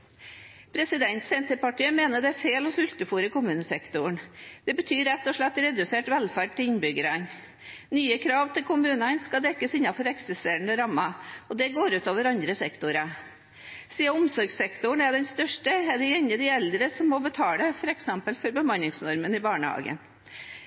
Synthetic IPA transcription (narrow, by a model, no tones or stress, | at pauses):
pʰɾɛsɪd̪ɛnt̪sɛnt̪əpɑʈiːəmeːnəɖɛæfeːlɔsʉlt̪əfuːɾəkʊmʉːnəsɛkt̪ʊɳd̪̥ɛbət̪ʰyːɾɛt̪ːɔʂɭɛt̪ːɾɛd̪ʉseːʈʋɛlfæːɖ̚t̪ɪɪnbʏɡəɾɑn | nyːəkʰɾɑːʋt̪ʰɪlkʰʊmʉːnɑnskɑd̪ɛkːəsɪnːɑfɔɾɛksɪst̪eːɾəɳəɾɑmːɑɔd̪ɛɡoːɾʉːt̪oːʋəɾɑnd̪ɾəsɛkt̪ʊɾɑ | siːəʊmsɔɾɡsɛkt̪ʊɳæɖɛnst̪œʂʈəɛɖɛɛnːəd̪ɪɛld̪ɾəsɔmːɔbət̪ʰɑːləfɔɾɛksɛmpəlfɔɾbəmɑnːɪŋsnɔɾmənɪbɑːɳəhɑ̰ːɡə̰n